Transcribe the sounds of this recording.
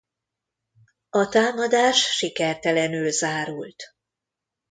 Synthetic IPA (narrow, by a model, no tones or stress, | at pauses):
ɒt̪aːmɒd̪aːʃːikɛrt̪ɛlɛnylzaːɾult̪